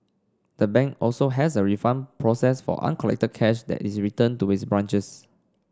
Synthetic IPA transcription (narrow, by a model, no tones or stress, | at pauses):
d̥əbɛ̃ŋkɔlsoɦɛsəɹifãmpʰɹɔsɛsfɔ̰ʔã̰nkʰɔlɛ̰k̚təd̚kʰɛʃdɛ̰tisɹitə̃ntuisbɹãnt͡ʃəs